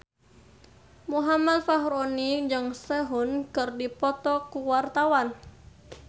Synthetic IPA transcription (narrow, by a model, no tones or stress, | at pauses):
muɦamat̪̚faɦuɾɔnid͡ʒɨŋsɛɦunkɨrdipɔt̪ɔkuwart̪awan